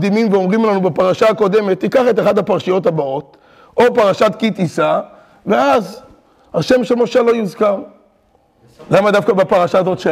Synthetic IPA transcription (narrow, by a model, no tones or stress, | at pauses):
d̪imimveo̞mʁimlanubapaʁaʃaːko̞d̪e̞me̞t̪ːikaχe̞t̪̬eχad̪hapaʁʃijo̞thabao̞t̪ | ʔo̞paʁaʃat̪kit̪isa | veaz | haʃe̞mʃemo̞ʃalo̞jizkam | lamad̪afkabapaʁaʃaːzo̞tʃe